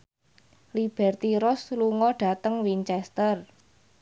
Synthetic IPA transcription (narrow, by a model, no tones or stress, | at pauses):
lib̥ɛrt̪iɾɔsluŋɔɖ̥a̤t̪əŋwiɲt͡ʃɛst̪ər